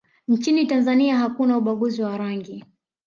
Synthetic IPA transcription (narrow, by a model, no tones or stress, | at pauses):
nt͡ʃinitanzaniaɦakunauɓaɠuziwaɾaŋɡi